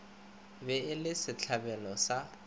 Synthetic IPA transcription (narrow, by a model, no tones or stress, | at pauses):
bɛɪlɪsɪt͡ɬʰabɛlɔsa